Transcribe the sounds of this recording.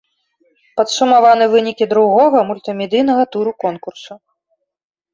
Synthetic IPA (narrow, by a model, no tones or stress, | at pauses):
pɐt̪sumavanɨvɨnʲikʲid̪ɾuɣɔɣɐmulʲt̪ɨmʲɛd̪ɨjnɐɣɐt̪uɾukɔnkursu